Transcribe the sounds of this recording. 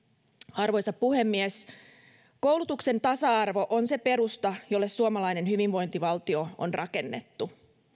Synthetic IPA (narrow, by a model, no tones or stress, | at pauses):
ɑrʋo̞jsɑppuhe̞mːies | kowlut̪ukse̞nt̪ɑsɑɑrʋo̞ʔonse̞pe̞ɾust̪ɑjolːe̞ssuomɑlɑjnenhyʋiʋʋo̞jnt̪iʋɑlt̪io̞o̰nrɑke̞nːet̪ːu